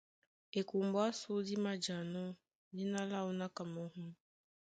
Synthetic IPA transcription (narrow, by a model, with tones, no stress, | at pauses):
e˨ku˨mbɔ˦a˦su˦di˦ma˦d͡ʒa˨nɔ˦ | di˦na˦la˦u˦na˦ka˨mɔ˨ɦu˦